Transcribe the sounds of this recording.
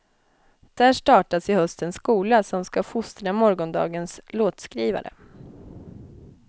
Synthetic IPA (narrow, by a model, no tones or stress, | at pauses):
d̪̥æʂʈɑːʈasɪhœst̪ənskuːlasɔmskafʊst̪əɳamɔɾɡɔnd̪ɑ̰ːɡənsloːt̪skɾiːva̰ɾʔə̰